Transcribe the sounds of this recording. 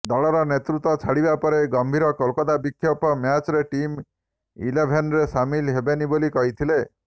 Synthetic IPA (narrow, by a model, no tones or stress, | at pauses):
d̪ɔɭɔɾɔnet̪ɾut̪ɔt͡ʃʰaɽibapɔɾeɡɔmbʱiɾɔkɔlkɔd̪abikʰːjɔpɔmjat͡ʃɔɾeʈim | ḭlebʱenɾesamilɦebenibolikɔɦit̪ʰile